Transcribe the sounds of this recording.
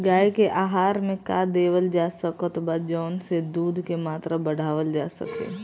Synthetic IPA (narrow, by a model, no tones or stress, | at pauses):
ɡaːekeʔaːɦaːɾmẽka̰d̪eːʋəld͡ʒaːsəkət̪baːd̪d͡ʒɔːnsed̪uːd̪ʱkemaːt̪ɾabəɽ̤aːʋəld͡ʒaːsə̰kḛː